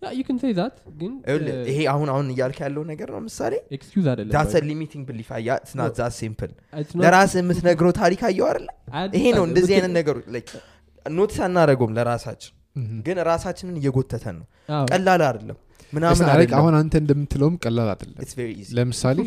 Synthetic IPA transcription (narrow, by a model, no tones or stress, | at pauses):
jajukʰɨnsejðat̪ɡɨnʔɨlːɨɨheahunahunɨjːalkʰjalːəwnːəɡəɾnə̰wjmɨsa̰leekskjuzad̪əlːd̪asəlimit̪ʰiŋɡ̚bɨlifa̰jːasɨnat̪zasimpɨlləɾasɨmɨt̪nəɡɾot̪ʰaɾikʰajːɛwad̪əlːəmɨhenəwɨnd̪əzihajnənnəɡəɾot͡ʃləj | not̪ʰsanːaɾəɡomləɾasa̰t͡ʃːɪ̥n | ɡɨnɾasat͡ʃːɪnɨnɨjːɛɡo̞t̪ʰːət̪ʰə̰nːəw | kʼəlːalad̪əlːə̰mː | ɨnamnaaɾkahunant̪ʰəɨnd̪əmːɨt̪ʰːɨləwmkʼəlːala̰d̪əlːə̰ɪt̪sveɾiiziləmɨsale